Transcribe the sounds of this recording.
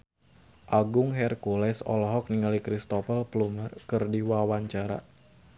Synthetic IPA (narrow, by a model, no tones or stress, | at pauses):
ʔaɡʊŋɦɛrkulɛsɔ̰lɔɦɔk̚niŋalikɾist̪ɔfəlplumərkɨrdiwawaɲt͡ʃaɾa̰